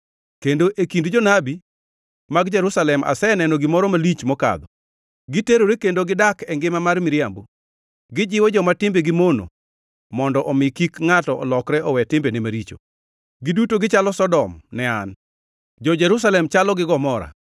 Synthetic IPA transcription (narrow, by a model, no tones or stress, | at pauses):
kendoʔekindd͡ʒɔnabi | maɡd͡ʒɛɾusalɛmʔa̰sɛnɛnɔɡɪmɔɾɔmalit͡ʃmɔka̰d̪ɔ | ɡɪteɾoɾekendoɡɪdakɛŋɡɪmamarmɪɾɪjambo | ɡɪd͡ʒɪwɔd͡ʒɔmatɪmbeɡɪmono̰ | mɔndɔʔɔmɪkikŋatɔʔɔ̰lɔkɾɛʔɔwɛtɪmbenɛmaɾit͡ʃo̰ | ɡɪdutoɡɪt͡ʃalɔsɔdɔmnɛan | d͡ʒɔd͡ʒɛɾus̬alɛmt͡ʃalɔɡɪɡɔmɔɾa̰